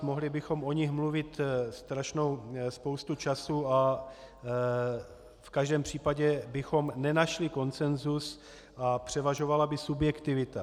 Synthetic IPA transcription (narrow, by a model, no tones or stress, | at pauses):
mo̞ɦlɪbɪxo̞mʔo̞ɲɪxmluvɪt̪st̪ɾaʃno̞wspowst̪ut͡ʃasua | fkaʒdɛːmpr̝̥iːpaɟɛbɪxo̞mnɛnaʃlɪko̞nt͡sɛnzus | ʔapr̝̥ɛvaʒo̞valabɪsubjɛkt̪ɪvɪt̪a